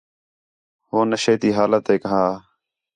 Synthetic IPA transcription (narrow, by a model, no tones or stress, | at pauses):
ɦoːnəʃeːt̪iːɦaːlət̪ːeːkəɦãː